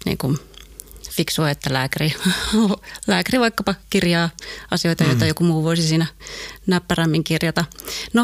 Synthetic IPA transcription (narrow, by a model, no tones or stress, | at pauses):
nḭːŋkun | fiksuɑet̪ːælæːkæriolæːkæriʋɑikːɑpɑkirjɑːɑsijoit̪ɑjoˑit̪ɑjokumuːʋoisisiːnænæpːæræmːiŋkirjɑt̪ɑno